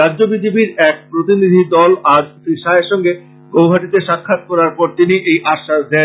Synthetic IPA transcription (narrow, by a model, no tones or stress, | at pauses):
ɾadːd͡ʑobid͡ʑebiɾɛk̚pɾot̪inid̪ʱid̪ɔlaɾt̪iʃaeɾʃɔŋɡe | ɡowɦaʈit̪eʃakʰːat̪̚kɔɾaɾpɔɾt̪iniʔejʔaʃːaʃd̪ɛe